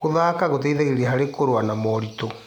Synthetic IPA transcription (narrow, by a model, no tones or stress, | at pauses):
oðakaɣot̬ɛiðeɣeɾiaɦaɾekoɾwanamɔɾitɔ